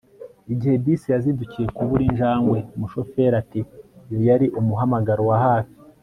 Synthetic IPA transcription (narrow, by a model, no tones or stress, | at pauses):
iɟihe̞bisijaziducije̞kuβuɾinʒaːŋɡwe̞muʃo̞fe̞ɾatijo̞jaɾiʔumuɦamaɡaɾowahaːfi̥